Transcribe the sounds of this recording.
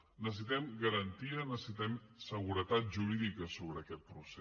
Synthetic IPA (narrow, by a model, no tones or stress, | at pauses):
nəs̬əs̬it̪ɛmɡəɾənt̪iənəsəsit̪ɛmsəɣ̞uɾət̪at̪̚ʒuɾiðikəsoβɾəːkɛt̪̚pɾuse